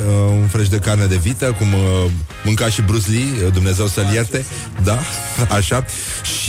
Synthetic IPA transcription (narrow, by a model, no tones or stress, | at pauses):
əunfɾeʃ̬d̪e̞karne̞d̪e̞vit̪əkummɨŋkaʃibɾuslid̪umneze̞wsəlijert̪e̞ | d̪a | aʃa | ʃi